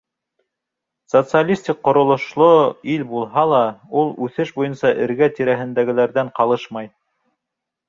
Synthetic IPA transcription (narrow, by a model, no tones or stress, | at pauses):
sot̪sɨalʲisʲt̪ʲik̚qːŏɾŏlˠŏʃlˠoilʲbulˠɦɑlˠɑulˠʉθɘʃbujɤnsɑʔɘ̆ɾɡæt̪iɾæɦɘ̆nd̪æɡɘ̆læɾðæɴqɑlˠɤʃmɑj